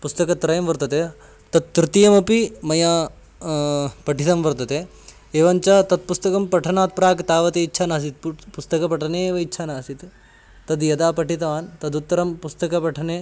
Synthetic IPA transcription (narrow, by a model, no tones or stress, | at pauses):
pust̪ɐkɐt̪ɾɐjɐmʋɐɾt̪ɐt̪eː | t̪ɐt̪ːɾɪt̪ijɐmɐpimɐjaː | pɐʈʰit̪ɐmʋɐɾt̪ɐt̪eː | eːʋɐɲt͡ʃaːt̪ɐt̪̚pust̪ɐkɐmpɐʈʰɐnaːt̪̚pɾaːkt̪aːʋɐt̪eitːʃʰaːnaːs̬it̪̚pust̪ɐkɐpɐʈʰɐneːʋɐiːʃʰaːnaːsit̪ | t̪ɐd̪jɐd̪aːpɐʈit̪ɐʋaːnt̪ɐd̪ut̪ːɐɾɐmpust̪ɐkɐpɐʈʰɐneː